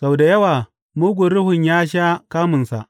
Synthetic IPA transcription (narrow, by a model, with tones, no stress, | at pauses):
sa˨wda˨jɐ˦waː˨ | muː˦ɡʷʊ˨ɾɽʊ˦hʊ˨ɲjaː˦ʃ̬aː˦kaː˦mʊ˨nsa̰˨ʔ